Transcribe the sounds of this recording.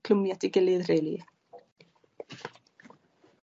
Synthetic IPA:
kʰl̥ʊmjatɪɡɪlɪðrejli

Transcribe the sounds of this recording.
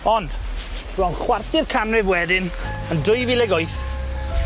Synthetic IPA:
ɔnd̥ | b̥rɔnχwartɪrkʰamrɪvwɛdɪn | əndʊjvilɛɡɔjθ

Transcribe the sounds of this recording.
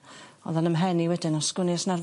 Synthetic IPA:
ɔ̰ðɔnəmɦɛniwɛdɨnɔskɪnɪsnar

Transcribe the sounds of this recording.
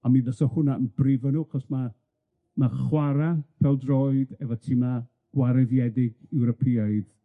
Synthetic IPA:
amiðəsɔhʊnaənbrɪvənuːaχɔsma | maχwaɾapʰɛlˠdrɔɨdɛvɔtʰiːma | ɡ̥waɾɛðjɛdɪɡɛwɾɔpʰiajd̥

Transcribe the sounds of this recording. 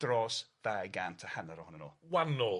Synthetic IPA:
d̥rɔsðajɡantʰəhanaɾɔʊnənɔːwanːɔ

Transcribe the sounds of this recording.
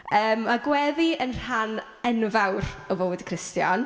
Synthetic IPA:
əːmːaɡwɛðiənr̥an | ɛnvawrɔvoːdkʰr̥ɪstjɔn

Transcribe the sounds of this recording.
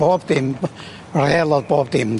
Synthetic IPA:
opt̪im | relːopopt̪im

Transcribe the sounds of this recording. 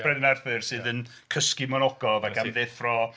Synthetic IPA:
ɛðənɛrθɨrsɨːðən | kʰəskɪmɔnɔɡɔvaɡamðeθrɔ

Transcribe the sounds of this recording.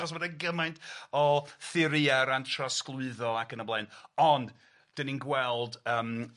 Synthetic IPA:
ɔsbədaɡəmajntɔθɪɾiaɾantʰrɔsklˠʊɨðɔakənəblˠaɨnɔnd | d̥əninɡwɛlˠdəːm

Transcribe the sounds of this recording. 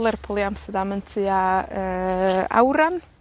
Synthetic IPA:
lˠɛrpʰɔlˠiamstədaməntʰɨaəa̰wɾan

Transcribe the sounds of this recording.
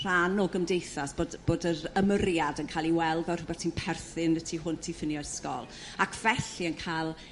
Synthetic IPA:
r̥anɔɡəmdejθasb̥odb̥oːdəɾəmərjadənkʰaːlˠiwɛlˠvɛr̥ʊbɛrtʰiːnpʰɛrθɨnətʰiɦʊntʰifɪnjɔskɔ̰lˠ | akʰv̥ɛɬiənkʰalˠ

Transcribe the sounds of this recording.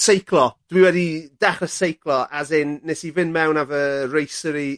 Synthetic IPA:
sejkʰlˠɔd̥wiwɛdidɛχəsejkʰlˠɔazɪnːesivɪnmɛwnavərejsəɾi

